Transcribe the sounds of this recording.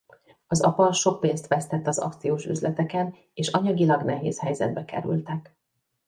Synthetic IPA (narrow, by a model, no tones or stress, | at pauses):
ɒzɒ̰pɒʃo̞k̚peːnst̪ʋɛst̪ɛt̪ːɒzɒ̰kt̪sijoːʃy̰zlʔɛt̪ɛkɛn | eːʃɒɲɒɡilɒɡnɛɦḛːshɛjzɛ̰d̪̚bɛkɛ̰ɾy̰lt̪ɛk